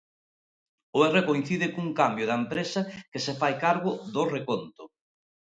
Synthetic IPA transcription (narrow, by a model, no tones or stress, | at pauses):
ʊerekoĩn̟θiðɪkuŋkambjʊðɐempɾesɐkesefajkaɾɣʊðʊrekont̪ʊ